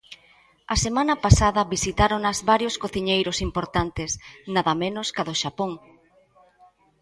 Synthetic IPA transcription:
ɐsemãnɐpasaðɐβisit̪aɾonɐzβaɾjoskoθiɲejɾʊsimpoɾt̪ant̪ɪsnaðɐmẽnʊskaðoʃapoŋ

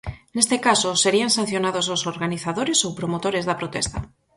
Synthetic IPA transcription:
nest̪ekasoseɾiansãn̟θjonaðos̬osoɾɣaniθaðoɾesowpɾomot̪oɾezðapɾot̪ɛst̪a

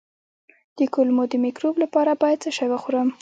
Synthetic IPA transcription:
d̪̥əkʊlmod̪əmɪkɾoblapɑɾabɑjad̪̚t͡səʃajwaxoɾəm

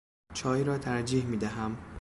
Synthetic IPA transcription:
t͡ʃʰɒːjɾɒːt̪ʰæɾd͡ʒiːhmiːd̪æɦæm

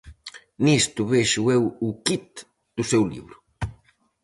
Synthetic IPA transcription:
nist̪ʊβeʃuɛwukit̪̚ | d̪usewlḭβɾʊ

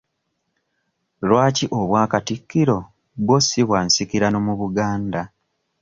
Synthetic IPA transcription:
lwaːciʔoβwaːkatikːiɾo̞ | bwosiβwaːnsikiɾano̞muβuɡaːnda

